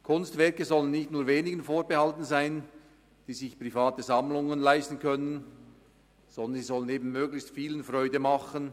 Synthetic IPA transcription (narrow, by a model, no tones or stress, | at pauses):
kʰʊnstvɛɐkəzɔlənːɪçtnuːɐveːnɪɡənfoːɐbəhɑltn̩zaɪn | d̥iːzɪçpʁifaːtəzɑmlʊŋənlaɪstn̩kʰœnən | z̥ɔnd̪ənziːzɔləneːbn̩møːɡlɪçstfiːlənfrʁɔʏdəmɑχən